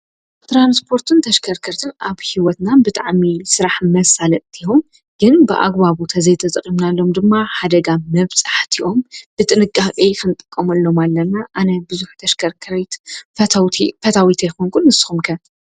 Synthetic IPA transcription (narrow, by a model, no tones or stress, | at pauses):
t̪ʰɾanspʰo̞ɾt̪ʰɨnt̪ʰɐʃkʰɐɾkʰɐɾt̪ʰɨnʔaβhiwɔt̪nabɨt̪ʼaʕmisɨɾaħmɐsalɐt̪t̪ʰihom | ɡ̥ɨnbɨʔa̰ɡbaβut̪ʰɐzɐjt̪ʰɐt̪ʼɨkʼimnalːo̞md̪ɨmːaħad̪ɐɡamɐβsʼaħt̪ʰiʔo̞mb̥ɨt̪ʼɨnɨkʼːakʼikʰɨnɨt̪ʼɨkʼːɐmɐlːo̞malːɐnaʔanɐbɨzuħu̥t̪ʰɐʃkʰɐɾkʰɐɾit̪fɐt̪ʰawt̪ʰifɐt̪ʰawit̪ʰijkoŋkʰunːɨsːɨ̥xumkʰɐ